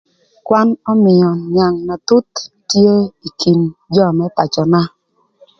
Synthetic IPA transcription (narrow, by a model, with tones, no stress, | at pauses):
kwa˦nɔ˦mɪ˨ɔ˨ɲja˨ŋna˨tu˦tː | je˦i˨kʰi˨nd͡ʒɔ˦˨mɛ˦ta˨t͡ʃɔ˨na˦